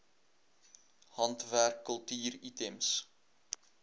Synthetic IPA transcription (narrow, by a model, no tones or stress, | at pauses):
hɐntværkːəlˠtyːritɛms